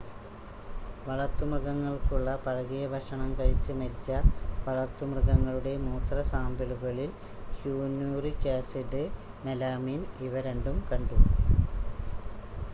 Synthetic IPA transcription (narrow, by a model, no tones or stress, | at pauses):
ʋɐɭɐrt̪ːumrɨɣɐŋːɐɭkuɭːɐpɐɻɐɣijɐbʱɐʂɐɳɐmkɐɻit͡ɕːɨmɐɾit͡ɕːɐʋɐɭɐrt̪ːumrɨɣɐŋːɐɭuɽe̞muːt̪rɐsaːmbiɭuɣɐɭil | hjuːnjurikaːseʈːɨ | melaːmiːniʋɐɾeɳɖumkɐɳɖu